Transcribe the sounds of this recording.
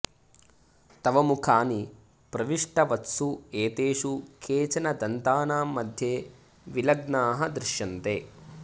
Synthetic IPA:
t̪ɐʋɐmukʰaːni | pɾɐʋiʂʈɐʋɐt̪sueːt̪eːʂukʰeːt͡ʃɐnɐd̪ɐnt̪aːnaːmːɐd̪ʱjeː | ʋilɐɡnaːɦɐd̪ɾɪʃjɐnt̪eː

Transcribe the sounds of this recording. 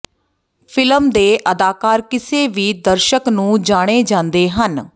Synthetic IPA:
pʰɪləmd̪eːʔəd̪aːkaːɾkɪseːʋiːd̪əɾʃəknũːd͡ʒaːɽ̃eːd͡ʒãːnd̪eːɦən

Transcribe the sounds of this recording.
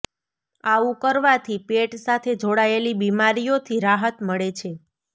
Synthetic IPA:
aũkəɾʋat̪ʰipeʈsat̪ʰed͡ʒoɽaelibimaɾijot̪ʰiɾaɦət̪məɭet͡ʃʰe

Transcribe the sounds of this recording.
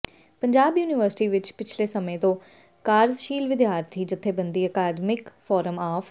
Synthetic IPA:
pəɲd͡ʒaːbjuːnɪʋəɾsɪ̥ʈiːʋɪt͡ʃpɪt͡ʃʰleːsəmẽːt̪õː | kaːɾzʃiːlʋɪd̪jaːɾt̪ʰiːd͡ʒɪt̪ʰːeːbənd̪iːəkaːd̪mɪkfʰɔːɾəmaːfʰ

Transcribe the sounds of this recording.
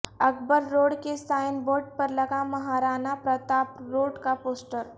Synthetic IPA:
ɐkbəɾːoːɽkesaːɪnboːɾɖ̚pɐɾlɐɡamɐɦaːɾaːnapɾɐt̪aːpɾoːɖkapoːsʈəɾ

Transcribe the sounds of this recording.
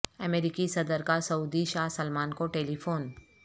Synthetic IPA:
ɐmeːɾikisɐd̪əɾkasɐuːd̪iʃaːɦsɐlmaːnkoʈeːlifʰoːn

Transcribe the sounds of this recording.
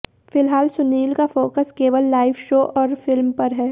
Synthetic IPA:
fɪlɦaːlsʊniːlkafoːkəskeːʋəlːaːɪʋʃoːʔɔːɾfɪlmpɐɾɦɛː

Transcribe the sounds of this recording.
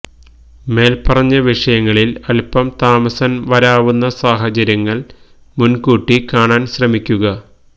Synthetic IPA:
me̞ːlpɐrɐɲːɐʋiʂɐjɐŋːɐɭilɐlpɐmt̪aːmɐsɐnʋɐɾaːʋunːɐsaːɦɐt͡ɕɐɾjɐŋːɐɭ | munkuːʈːikaːɳaːnɕrɐmikʲːuɣɐ

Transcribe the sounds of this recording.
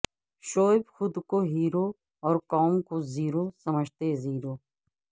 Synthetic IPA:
ʃoːɪbxʊd̪koɦiːɾoː | ɔːɾkɔːmkoziːɾoːsəməd͡ʒʱt̪eziːɾoː

